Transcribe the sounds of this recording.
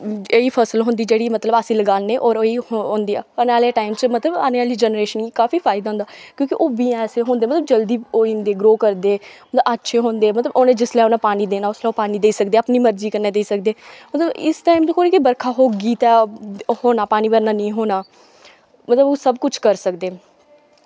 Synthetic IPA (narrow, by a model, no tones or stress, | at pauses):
eːiːpʰəsəlɦʊ̃nd̪iːd͡ʒeːɽiːmət̪ləbaːsĩːləɡaːneːʔɔːɾoiːhoːnd̪iːɛːənaːlɛːʈaːɪmt͡ʃmət̪ləba̰ːneːaːliːd͡ʒɛːnəɾeːʃənikaːfiːpʰaːɪd̪aːɦʊ̃nd̪aːkjõːkɪʔoːʋiːɛːseːɦõːnd̪eːmət̪ləb̚d͡ʒəld̪iːoːĩːnd̪eːɡɾoːkəɾd̪eːmət̪ləbətːʃʰeːɦõːnd̪eːmət̪ləboːnẽːd͡ʒɪslɛoːnãːpaːniːd̪eːnaːʊslɛːoːpaːniːd̪eːsəkd̪eːəpniːməɾziːkəɾneːd̪eːsəkd̪eːmət̪ləbɪsʈaːimkoːnikibəɾkʰaːɦoːɡiːt̪ɛːhoːnaːpaːniːbəɾnaːnĩːɦoːnaː | mət̪ləboːsəbkʊt͡ʃʰkəɾsəkd̪eː